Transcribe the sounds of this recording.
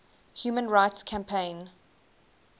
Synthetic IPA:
hjuːmə̃nɹaɪtskʰæ̃mpʰẽɪ̃n

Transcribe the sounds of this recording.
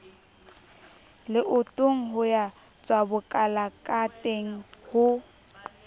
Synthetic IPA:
lɪʔʊtʼʊŋ̩ɦʊja | t͡sʼwabʊkʼalakʼatʼeŋ̩hʊ

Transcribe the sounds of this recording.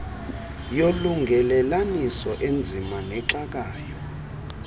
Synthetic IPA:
joluŋɡʱɛlɛlanisɔʔend͡zʱimanɛǁak̬aːjɔ

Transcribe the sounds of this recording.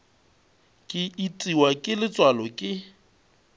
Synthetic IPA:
kʼɪitʼiwakʼɪlɪt͡sʼwalɔkʼɪ

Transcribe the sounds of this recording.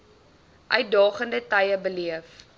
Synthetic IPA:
ʔœɥt̚dɑːχəndətɐjəbəliəf

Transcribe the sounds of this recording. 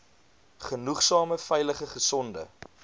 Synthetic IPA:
χənuχsɑːməfɛjləχəχəsɔndə̰

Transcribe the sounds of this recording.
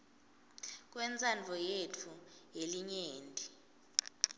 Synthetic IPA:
k̬ʼwɛnt͡sʼand͡ɮʱɔjetʰujeliɲeːndʼʱi

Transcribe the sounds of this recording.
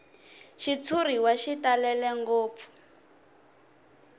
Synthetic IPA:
ʃit͡sʰuriwaʃitalɛlɛŋɡoːp̪fu̥

